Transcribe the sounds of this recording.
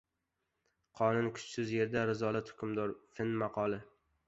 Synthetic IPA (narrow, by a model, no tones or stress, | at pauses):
qʰɒnʊnkʰʊ̥t͡ʃsʊzje̞ɾd̪aɾɪzɒlˠat̪hʊkʲʰʊmd̪ɒɾfɪnmɑqʰɒlˠɪ